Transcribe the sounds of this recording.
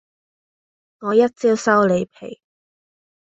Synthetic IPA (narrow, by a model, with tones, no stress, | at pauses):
ŋɔː˨˧jɐ˥t̚t͡siː˥wsɐ˥wle˨˧jpʰḛ˨˩j